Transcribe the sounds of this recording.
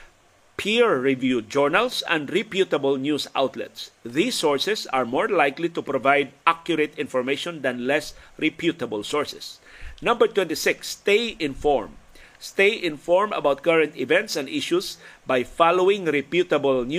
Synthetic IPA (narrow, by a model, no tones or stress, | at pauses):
pʰiɹːɪvjud͡ʒɔɹnalsɐ̰̃nd̪ɹɪpjut̪ɐbəlnjusa̰wt̪lɛ̰t̪sðisːɔɹsɛsɐɹmɔɹlajklit̪upɾovajd̪̚ʔakjʊɾet̪ɪ̃nfɔɹmeʃɔ̃nd̪ɐ̃nlɛsɹɪpjut̪ɐbəlsɔɹsɛ̥s | nʌ̃mbəɹt̪wɛ̃nt̪ɪsɪkst̪ejɪ̃nfɔɹm | st̪ejʔɪ̃nfɔɹmɐ̰bawt̪̚kaɹɐ̃nt̪ɪvɛ̃nt̪sɐ̃nd̪ɪʃusbajfalowɪ̃ŋɾɪpjut̪ɐbəln